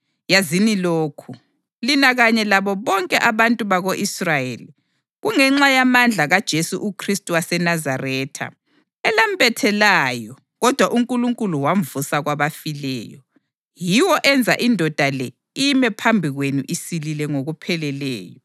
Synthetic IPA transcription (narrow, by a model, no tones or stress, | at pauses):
jaziniloːkʰu | linaɣaɲɛlaβɔβɔŋkʼɛʔaβantʼuβaɣoʔisrajḛli | ɣuŋɛŋ͡ǁajamand͡ɮʱaɣad̥ʒ̥ʱesuʔukʰristʼuwasɛnazarɛːtʰa̰ | ɛlam̩bɛtʰɛlajɔ | ɣɔd̥ʱwaʔuŋkʼuluŋkʼuluwaɱ̩vusaɣwaβafilɛ̰ːjɔ | jiwɔʔɛnd͡zʱa̰ʔindʱɔd̥ʱalɛ | iimɛpʰambʱiɣwenuʔisililɛŋoɣupʰɛlɛlɛ̰ːjɔ